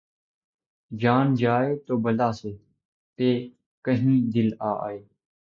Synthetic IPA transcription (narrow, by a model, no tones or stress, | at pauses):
d͡ʒaːnd͡ʒaːeːt̪oːbəlaːseː | t̪eː | kəɦĩːd̪ɪla̰ːeː